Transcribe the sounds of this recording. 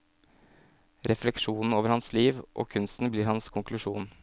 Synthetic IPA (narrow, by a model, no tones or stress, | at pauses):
ɾʔɛflɛkʂuːnn̩oːʋəɾhɑnsliːʋʔo̰ːkʰʉnst̪n̩bliːɾhɑnskʰʊŋklʉʂuːn